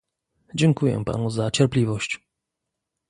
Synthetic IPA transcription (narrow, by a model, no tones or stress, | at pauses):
d͡ʑɛŋkujɛ̰pa̰nuzat͡ɕɛɾplʲivɔɕt͡ɕ